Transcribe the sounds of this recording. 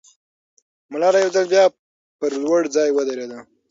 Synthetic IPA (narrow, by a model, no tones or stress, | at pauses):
mʊlɑɾajewzəlbjɑ | pəɾlwəɽzɑjwəd̪aɾed̪a